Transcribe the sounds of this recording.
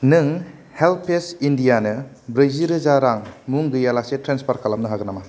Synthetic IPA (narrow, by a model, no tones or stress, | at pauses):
nɯŋ | helpʰesindijanɯ | bɾejziɾɯzaɾaŋmuŋɡɯjalasetɾenspʰaɾkʰalamnɯɦaɡɯnama